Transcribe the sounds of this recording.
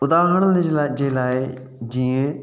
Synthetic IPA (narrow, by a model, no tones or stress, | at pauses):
ʊd̪aːɦəɽ̃əd͡ʒeːlaːɪ | d͡ʑiːə̃